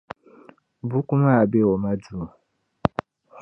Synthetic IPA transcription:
bu˨˦ku˦ma˦˨be˦ɔ˨ma˦du˦˨

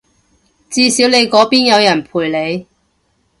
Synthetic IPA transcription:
t͡siː˧siː˨˥wne˨˧jkɔː˨˥piː˥njɐ˨˧wjɐ˨˩npʰuː˨˩jle˨˧j

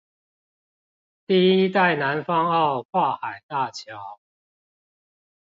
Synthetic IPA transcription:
t̪i˥˨i˦t̪a˥˨ɪna˨˦nfɑ˥ŋɑ˥˨ʊkʰwa˥˩xa˨˩ɪt̪a˥˨t͡ɕʰjɑ˨˦ʊ

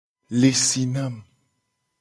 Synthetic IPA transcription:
le˨si˨na˦m

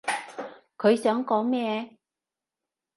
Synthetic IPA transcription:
kʰɵ˨˧ɥsœː˨˥ŋkɔː˨˥ŋmɛː˥˧

